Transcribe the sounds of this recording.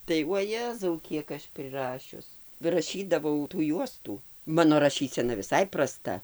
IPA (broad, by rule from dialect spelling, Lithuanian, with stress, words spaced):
tɐɪ uɔˈjæːzɐʊ ˈkʲiɛk ɐʃ pʲrʲɪˈrɑːʃʲʊs rɐˈʃʲiːdɐʋɐʊ tuː ˈjuɔstuː ˈmɑːnoː rɐˈʃʲiːsʲɛnɐ ʋʲɪˈsɐɪ prɐˈstɐ